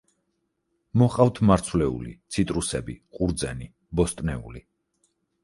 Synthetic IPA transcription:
mɔχʼaft̪ʰmaɾt̪sʰvlɛṵlḭt̪sʰit̪ʼɾusɛbḭqʼuɾd̪zɛni | bɔst̪ʼnɛṵli

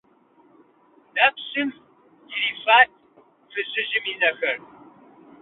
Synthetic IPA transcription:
nɐpɕɨm | diɾifaːt̚ʰ | fɨɕɪʒɪminɐxɐr

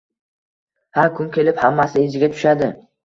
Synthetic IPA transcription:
haɾkʰʊŋkʲʰe̞lɪphamːasɪezɪɡʲat̪ʰʊ̥ʃad̪ɪ

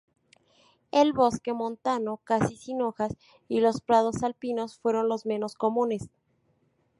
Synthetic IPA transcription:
elβo̞ske̞mõ̞nt̪ano̞kasisino̞xas | ilo̞spɾað̞o̞salpino̞sfwe̞ɾo̞nlo̞zmẽ̞no̞sko̞mũne̞s

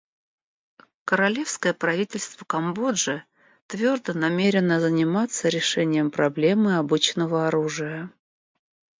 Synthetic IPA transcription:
kəɾɐlʲe̞fskəjəpɾɐvʲitʲɪlʲst̪vəkɐmbo̞dʐɨ | t̪vʲo̞rd̪ənɐmʲeɾʲɪnəzənʲɪmat̪səɾʲɪʂɛnʲɪjəmpɾɐblʲe̞mɨɐbɨt͡ɕnəvəɐɾuʐɨjə

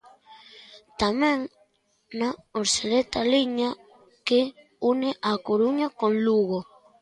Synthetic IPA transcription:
t̪amẽŋ | naoɾselet̪aliɲa | ke | uneʔakoɾuɲakõnluɣo

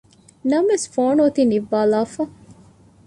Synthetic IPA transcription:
nɐmʋesfoːɳuːt̪iniʋːaːlaːfɐ

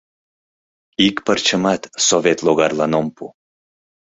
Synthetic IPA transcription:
ikpərt͡ɕəmɑt̪sovet̪loɣɑrlɑnompṵ

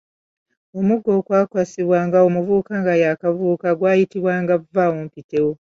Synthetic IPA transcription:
omuɡːo̞ːkwaːkwasiβwaːŋɡaomuvuːkaŋɡajaːkavuːkaɡwaːjitiβwaːŋɡavːawoːmpite̞wo

